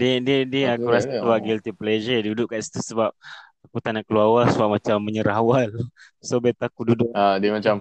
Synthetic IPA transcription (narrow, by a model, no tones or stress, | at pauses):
diədiədiəakuɾasluaɡilt̪ipled͡ʒədudʊʔkaʔsi̥t̪usəbap̚akut̪anakəluawasəbaʔ̚mat͡ʃamːəɲəɾawal | sobet̪akududʊʔadiəmat͡ʃam